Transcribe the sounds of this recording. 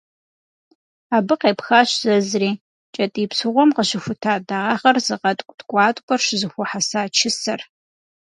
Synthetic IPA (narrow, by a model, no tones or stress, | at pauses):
aːbɨqeːpxaɕz̥ɐzriː | t͡ʃʼɐtʼiːpsɨʁʷɔmqəʃɪxʷʊtʰaːdaːʁaːχɐrzɨqɐtʼkʷʼdɡʷʼɑːtʼkʷʼɔrʃɪzɨxʷʊħasaːt͡ʃʰɪsɐr